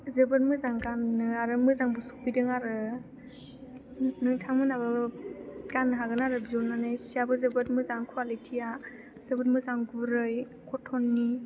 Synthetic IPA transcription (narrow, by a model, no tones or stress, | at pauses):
zɯbɯt̚mɯzaŋɡanːɯaɾɯmɯzaŋbusu̥pidɯŋaɾɯ | nɯŋtʰaŋmɯnabɯ | ɡanːɯɦaɡɯnaɾɯbizonanajsiabɯzɯbɯt̚mɯzaŋkʰwalitʰija | z̥ɯbɯtmɯzaŋɡuɾɯj | kʰɔtʰɔnːi